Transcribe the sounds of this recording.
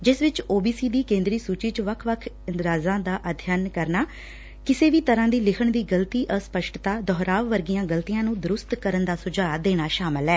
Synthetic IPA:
d͡ʒɪsʋɪt͡ʃoːbiːsiːd̪iːkẽːnd̪ɾiːsuːt͡ʃiːt͡ʃʋəkʰʋəkʰ | ɪnd̪ɾaːzãːd̪aːʔəd̪ʱjənkəɾnaː | kɪseːʋiːt̪əɾãːd̪iːlɪkʰəɳd̪iːɡəlt̪iːʔəspəʃʈt̪aːd̪ɔːɾaːʋʋəɾɡɪjãːɡəlt̪ijãːnũːd̪ʊɾʊst̪kəɾənd̪aːsʊd͡ʒaːd̪eːɽ̃aːʃaːmɪlɦɛː

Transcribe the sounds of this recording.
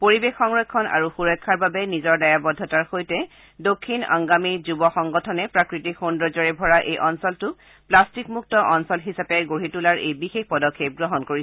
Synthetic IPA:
poɹibexːɔŋɹɔkʰːɔnʔa̰ɹuxuɹɔjkʰːaɹbabɛnizɔɹdajabɔdʱːɔtaɹxojtɛ | dokʰːina̰ŋɡamiɹzubɔxɔŋɡɔtʰɔnɛpɹakɹitikxundɹɔzɔɹɛbʱɔɹaʔejʔɔnsɔltʊ | plastikmuk̚tɔʔɔnsɔlɦisapɛɡoɹitulaɹʔejbixexpɔdɔkʰːep̚ɡɹɔɦɔnkoɹis

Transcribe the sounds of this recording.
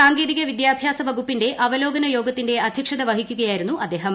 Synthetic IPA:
saːŋɡeːðiɣɐʋid̪jaːbʱjaːsɐʋɐɡupːinde̞ʔʔɐʋɐlo̞ːɡɐnɐjo̞ːɡɐt̪ːinde̞ɐd̪ʱjɐkʂɐd̪ɐʋɐɦikʲːuɣɐjaːjiɾunːuʔɐd̪ːe̞ːɦɐm

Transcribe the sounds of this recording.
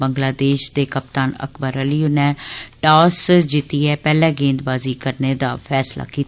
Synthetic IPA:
bəŋɡlaːd̪eːʃd̪eːkəp̚t̪aːnə̰kʰbəɾəliːunɛːʈaːsd͡ʒɪt̪iːɛːpɛːlɛ̃ːɡẽːnd̪baːziːkəɾneːd̪aːpʰɛːsla̰ːkiːt̪ː

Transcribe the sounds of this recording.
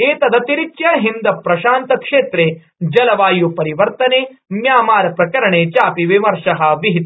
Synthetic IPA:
eːt̪ɐd̪ɐt̪iɾit͡ʃjaːɦind̪ɐpɾɐʃaːnt̪ɐkʂeːt̪ɾeː | d͡ʒɐlɐʋaːjupɐɾiʋɐɾt̪ɐneːmjaːmaːɾɐpɾɐkɐɾɐɳeːt͡ʃaːpiʋimɐɾʂɐɦɐʋiɦit̪

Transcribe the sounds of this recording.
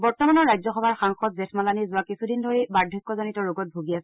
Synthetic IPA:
bɔɹtɔmanɔɹajzɔxɔbʱaɹxaŋxɔtzɛtʰmalanizʊwakisʰudindʱoɹibaɹdʱɔkːɔzɔnitɔɹuɡɔt̚bʱoɡiasɛ

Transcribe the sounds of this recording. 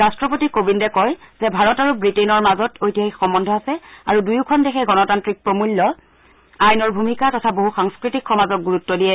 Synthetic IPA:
ɹastɹɔpotikobindɛkɔjz̥ɛbʱaɹɔtaɹubɹitenɔɹmazɔtʰojtijaɦixɔmbɔndʱɔasɛaɹudujukʰɔndekʰɛɡɔnɔtantɹik̚pɹomulːɔ | ajnɔɹbʱumikatɔtʰaboɦuxaŋskɹitikxɔmazɔt̚ɡuɹutːɔdiɛ

